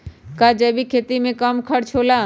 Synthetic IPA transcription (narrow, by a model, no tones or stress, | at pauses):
kaːd͡ʒɛːbikʰeːt̪imẽkəmkʰəɽt͡ʃʰoːlaː